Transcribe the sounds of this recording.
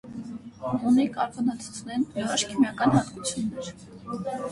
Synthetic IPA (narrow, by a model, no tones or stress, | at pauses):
unikɑ̰ɾpʰɑnɑt͡sʰu̥t͡sʰnɛnvəɾɑʃkʰimjɑkɑnhɑt̪kut͡sʰjunːɛɾ